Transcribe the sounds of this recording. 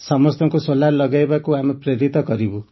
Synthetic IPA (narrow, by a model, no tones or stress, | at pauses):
sʌmɔst̪ʰɔŋkusolaɾlʌɡajbakuamɔpɾeɾit̪ɔkɔɾibu